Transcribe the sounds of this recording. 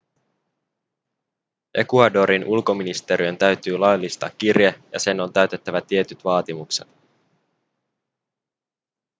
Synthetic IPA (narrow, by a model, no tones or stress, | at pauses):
ʔe̞̰kuɑdo̞ɾinʔulko̞minist̪e̞ɾiø̞nt̪æɥt̪yːlɑjlːist̪ɑ̰ːkːirjejɑ̰se̞no̞nt̪æɥt̪e̞t̪ːæʋæt̪ie̞t̪yt̪ʋɑːt̪imukset̪